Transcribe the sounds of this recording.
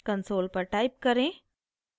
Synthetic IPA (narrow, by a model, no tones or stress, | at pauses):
kənsoːlpɐɾʈaːɪp̚kɐɾẽː